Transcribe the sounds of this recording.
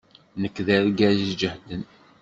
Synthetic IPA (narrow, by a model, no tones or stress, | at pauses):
nəkːðæɾɡæzd͡ʒəhd̪ən